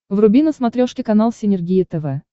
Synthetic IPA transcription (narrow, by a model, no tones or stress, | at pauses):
vrʊbʲinəsmɐt̪ɾʲoʂkʲɪkɐnalˠsʲɪnʲɪrɡʲijət̪ɛvɛ